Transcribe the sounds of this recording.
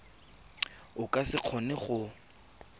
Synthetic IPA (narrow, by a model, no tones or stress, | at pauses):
ʊkʼasɪq͡χʰɔnɪχʊ